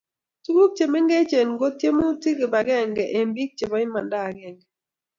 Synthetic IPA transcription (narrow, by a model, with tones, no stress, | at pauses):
tu˦ɡu˦k̚t͡ʃe˨mɛ˦ŋɡɛ˦t͡ʃe˨nɡo˦tje˦mɔ˦u˦ti˦ke˨ba˨ɡɛ˦˨ŋɡɛ˨ʔe˨mbi˦k̚t͡ʃe˨bɔ˨˦ɪ˦ma˨nda˦˨ɡɛ˨ŋɡɛ˨